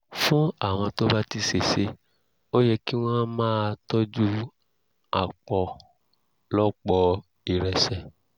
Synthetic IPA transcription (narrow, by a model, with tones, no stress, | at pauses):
fũ˦a˦˨w̃ɔ̃˧to˦ba˦ti˧se˨se˧˦ | o˦jɛ˧ki˦w̃ɔ̃˦mãː˦tɔ˦d͡ʒu˦ | a˨k͡pɔ˨ | lɔ˦k͡pɔ˧ | i˨ɾɛ˨sɛ˨